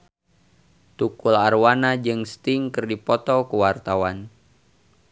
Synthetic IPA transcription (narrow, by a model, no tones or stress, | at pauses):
t̪ukularwanad͡ʒɨŋst̪ɪŋkɨrdipɔt̪ɔkəwart̪awan